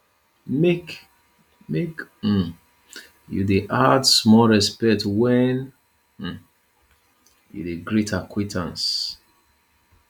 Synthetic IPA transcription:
mek | mek̩ | jṵdeʔadsmɔlɹɛspɛk̚twɛn̩ | jṵdeɡɹitʰakʰwitʰãns

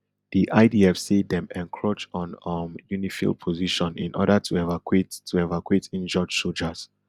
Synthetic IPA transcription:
d̥iʔaɪdiɛfsidɛ̃mɛ̃nkʰɹot͡ʃɔ̃nʌmjunifḭlˠd̚pʰoziʃɔ̃nḭ̃nʔɔ̰ɾətʰuɛvakʰwettʰːuɛvakwetĩnd͡ʒɔd͡ʒsold͡ʒəz̥

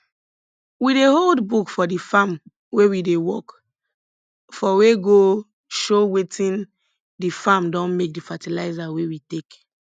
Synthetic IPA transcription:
wideholdbukfɔdifam | wewidewɔk | fɔweɡo | ʃowetʰĩn | difamdɔ̃nmek̚difatilaɪzawewitek

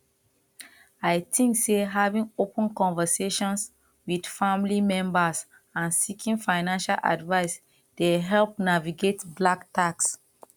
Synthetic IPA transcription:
ajtʰĩŋkseɦavĩŋopə̃nkɔ̃nvəseʃɔ̃ns | widfamlimɛ̃mbas | ãnsikʰĩnfaɪnãnʃalʔa̰dvaɪs | d̥eɦɛlp̚naviɡetblaktaks

